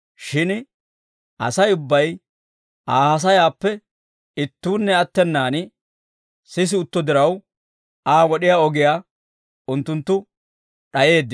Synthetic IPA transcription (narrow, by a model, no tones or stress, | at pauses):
ʃɪn | ʔɐ̰sɐjʊbːɐj | aːhɐs̬ɐjaːpːɛ | ɪt̪ːuːnːɛɐt̪ːɛnːaːnɪ | sɪs̬ɪʊt̪ːɔd̪ɪɾɐw | aːwɔɗɪjaːɔɡɪjaː | ʊnt̪ːʊnt̪ːʊ | ɗɐje̞ːd̪ː